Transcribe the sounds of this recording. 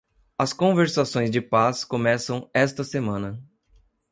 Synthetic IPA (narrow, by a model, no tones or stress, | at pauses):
ɐskõveɾsasõj̃zd͡ʒɪpaskõmɛsɐ̃w̃ɛst̪ɐsemɐ̃nɐ